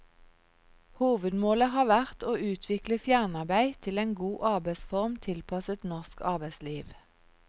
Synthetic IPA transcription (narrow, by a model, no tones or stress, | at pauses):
huːʋəd̪moːləhɑːʋæʁt̪oːʔʉːt̪ʰʋɪkləfjæʁnɑʁbæɪt̪ʰɪleːnɡuːʔɑʁbæɪsfɔʁmt̪ʰɪlpʰɑsət̪nɔʁskɑ̰ʁbæɪsliːʋ